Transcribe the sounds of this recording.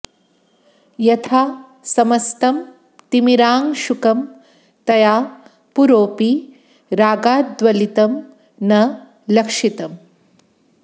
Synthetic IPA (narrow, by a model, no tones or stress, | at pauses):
jɐt̪ʰaː | sɐmɐst̪ɐm | t̪imiɾaːŋʃukɐm | t̪ɐjaː | puɾoːpi | ɾaːɡaːd̪ʋɐlit̪ɐm | nɐ | lɐkʂit̪ɐm